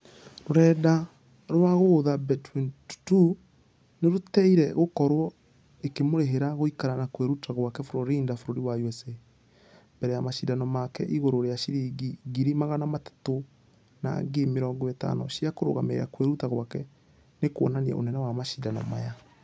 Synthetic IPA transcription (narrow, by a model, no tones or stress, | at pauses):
ɾoɾɛːda | ɾwaɣoːðabɛtwinttu | neɾotɛiɾɛɣokɔɾwɔ | ekemoɾeɦeɾaɣoikaɾanakweɾutaɣwakɛfoɾoɾiːndafoɾoɾiwauɛse | mbɛɾɛjamaʃidanɔmakɛ̰ʔiɣoɾoɾeaʃiɾiɡiɡiɾimaɣanamatḁto | na̰ɡemeɾɔŋɡɔeta̰nɔ̰ʃiakoɾo̰ɣameeɾa̰kweɾutaɣwakɛ | nekwɔ̰naniɛ̰ʔo̰nɛnɛwamaʃidanɔ̰maja